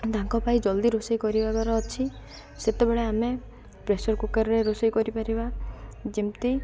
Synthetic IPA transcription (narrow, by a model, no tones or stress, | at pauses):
d̪aŋkɔpajd͡ʒɔld̪iɾosajkɔɾibaɡɔɾɔːt͡ʃʰi | set̪ebeɭeame | pɾesɔɾkukaɾɔɾeɾosɔjkɔɾipaɾibad͡ʒimt̪i